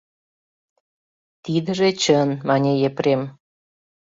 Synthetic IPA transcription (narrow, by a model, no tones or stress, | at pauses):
t̪id̪ə̆ʒet͡ɕənmɑnʲejepɾem